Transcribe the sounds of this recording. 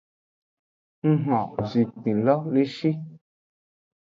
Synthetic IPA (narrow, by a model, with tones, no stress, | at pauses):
ŋ̩˦ɦɔ̃˨zi˨k͡pĩ˨lɔ˦le˦ʃi˦